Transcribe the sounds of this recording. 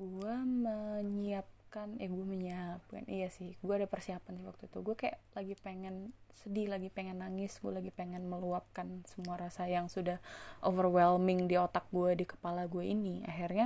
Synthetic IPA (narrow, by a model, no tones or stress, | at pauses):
ɡuaməɲiap̚kanjahɡuaməɲiap̚ka̰nʔḭjasɪhɡuaːdapərsiapansɪhwak̚t̪uit̪uɡuakaja̰laɡipeŋɛnsədilaɡipeŋɛnːaŋɪsɡualaɡipeŋɛnməluap̚kansəmuaɾasajaŋsudahʔovərwɛlmɪŋdiot̪ak̚ɡuadikə̥palaɡuaḭnia̰ɦirɲa